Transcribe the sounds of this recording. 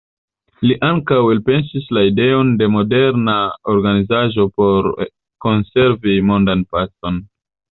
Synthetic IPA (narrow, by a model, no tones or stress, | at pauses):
liʔaŋkawelpe̞nsislaide̞o̞nde̞mo̞de̞ɾnao̞ɾɡanizaʒo̞po̞ɾ | ko̞nse̞ɾvimo̞ndanpat͡so̞n